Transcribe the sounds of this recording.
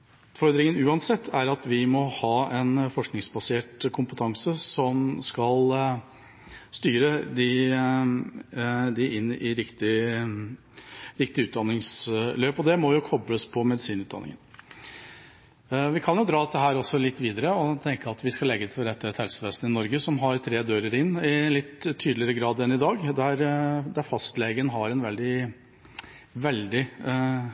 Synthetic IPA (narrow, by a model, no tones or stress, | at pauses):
ʉt̪fɔɾd̪ɾɪŋənʉːɑnsɛt̪ʰːæɾɑt̪ʰʋɪmɔhɑːɛnfɔʂknɪŋsbɑseːʈkʰʊmpət̪ʰɑŋsəsɔmskɑl | st̪yːɾəd̪ɪ | d̪ɪʔɪnːɪɾɪkt̪ɪ | ɾɪkt̪ɪʉːt̪̚d̪ɑnːɪŋsløːpɔd̪ɛmɔjʊkʰɔbləspʰɔmɛd̪ɪsiːnʉːd̪ɑ̰nɪ̰ŋə̰n | ʋɪkʰɑnjʊd̪ɾɑːd̪ɛt̪ːəɦæːɾɔsːɔlɪt̪ːʋiːd̪əɾəɔt̪ʰɛŋkəɑt̪ʋɪskɑlɛɡət̪ʰɪlɾɛt̪ʰːəɛt̪hɛlsəʋeːsn̩ɪnɔɾɡəsɔmɦɑɾt̪ʰɾeːd̪øːɾəɾɪnːɪlɪt̪ʰːyːd̪lɪəɾəɡɾɑːd̪ɛnɪd̪ɑːɡd̪æɾd̪æɾfɑst̪leːɡənəɦɑɾɛnʋɛld̪ɪ | ʋɛld̪ɪ